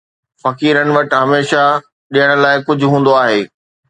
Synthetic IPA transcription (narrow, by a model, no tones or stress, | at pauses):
fɐkiːɾənɪ̆ʋɐʈ̆ɦɐmeːʃa | ɗijəɽ̃̆laːɪkʊd͡ʑʱʊɦũːn̆d̪oaːɦeː